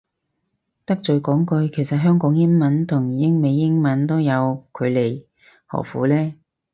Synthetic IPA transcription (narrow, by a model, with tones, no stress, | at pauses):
t̪ɐ˥k̚t͡ʃɵ˨˧ɥkɔː˨˥ŋkɵ˧ɥkʰe˨˩jsɐ˨t̚ɦœː˥ŋkɔː˨˥ŋjɪ˥ŋmɐ˨˥nt̪ʰʊ˨˩ŋiː˨jɪ˥ŋme˨˧jːɪ˥ŋmɐ˨˥nt̪o˥wjɐ˨˧wkʰɵ˨˧ɥle˨˩j | hɔ̰˨˩fṵː˨˥lɛː˥